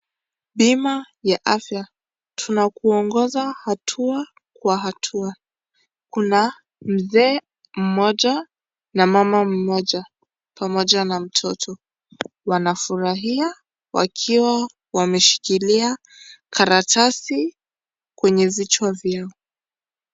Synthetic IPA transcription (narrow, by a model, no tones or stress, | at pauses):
ɓima | jaʔafja | tʰunakuɔŋɡɔzahatʰua | kwaɦatʰua | kuna | m̩zɛː | m̩mɔʄa | namamam̩mɔʄa | pamɔʄanam̩tʰɔtʰɔ | wanafuɾaɦia | wa̰kʰiwa | wamɛʃi̥kilia | kʰaɾatʰasi | kwɛɲɛvit͡ʃwavjaɔ